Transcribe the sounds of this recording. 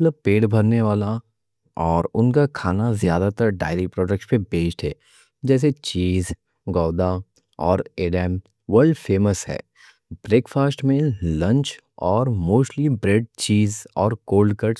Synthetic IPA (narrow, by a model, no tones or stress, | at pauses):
ət̪ləb̚peːɽbʱɐɾneʋaːla | ɔːɾʊnkakʰaːnazjaːd̪at̪əɾɖa̰ːɪɾipɾɔːɖək̚ʈspebeːd͡ʒʈɦɛː | d͡ʒɛːs̬et͡ʃiːz | ɡɔːd̪a | ɔːɾeːɖɛːm | ʋəɾɖfeːməsɦɛ̰ː | bɾeːkfaːsʈmẽlɐ̃ɲt͡ʃ | ɔːɾmoːsʈlibɾeːɖ̚t͡ʃiːzɔːɾkoːlɖkɐɾʈs